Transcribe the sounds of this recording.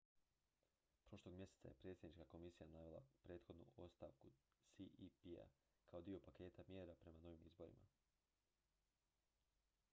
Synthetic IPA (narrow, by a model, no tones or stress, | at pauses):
pɾo̞ʃlˠo̞ɡmje̞set̪sa̰jepɾe̞ːt̪sʲjed̪nit͡ʃkako̞misijanaːʋelˠa̰pɾe̞ːt̪xo̞d̪nṵo̞st̪aʋkusiʔipia̰ | kʰao̞d̪io̞pake̞ːt̪amje̞ːɾapɾe̞mano̞ʋimizbo̞ɾḭma̰